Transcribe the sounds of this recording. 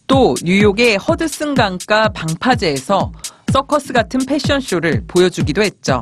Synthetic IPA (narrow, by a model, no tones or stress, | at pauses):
t͈oɲujoɡe̞hʌdɯs͈ɯŋɡaŋk͈apaŋpʰad͡ʑeːsʰʌs͈ʌkʰʌs͈ɯɡatʰɯnpʰe̞ɕ͈ʰiʌnɕʰioɾɯɭpojʌd͡ʑuɡidoɦe̞t̚t͡ɕ͈o̰